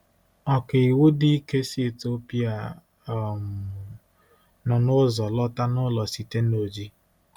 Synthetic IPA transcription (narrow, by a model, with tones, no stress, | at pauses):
ɔ˨ke˨i˨wu˦dɪ˦i˦ke˦si˦˨to˦pi˦a˦˨ | m̩˨ | nɔ˨nʊ˦zɔ˨lɔ˦ta˦nʊ˦lɔ˨si˨te˦n˦o˨d͡ʒi˦